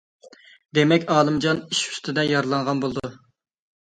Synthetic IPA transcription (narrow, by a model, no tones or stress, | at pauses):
d̪emɛkʲɑːlˠɨmd͡ʒɑniʃy̥st̪ɪd̪ɛjɑɾlˠɑnʁɑnbolˠd̪u